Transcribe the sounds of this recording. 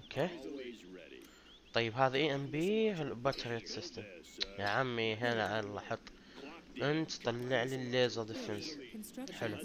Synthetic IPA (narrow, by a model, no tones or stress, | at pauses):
ʔʔokʰeː | t̪ˤɑjːɪbɦaːðiʔiːʔɛmbibat̪ʰəɾjat̪sɪst̪əmjaʕamːiɦeːnaʕalɑħɑt̪ˤː | ʔɪnt̪t̪ˤɑlːɪʕlilːeːzˤɑd̪ɪfɪnsħɪlu